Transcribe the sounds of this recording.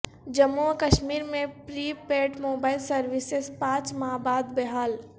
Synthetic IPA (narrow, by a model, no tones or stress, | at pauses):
d͡ʒɐmːukəʃmiːɾmẽpɾiːpeːʈmoːbaːɪlsɐɾʋɪsespãːt͡ʃmaːbaːd̪bɛɦaːl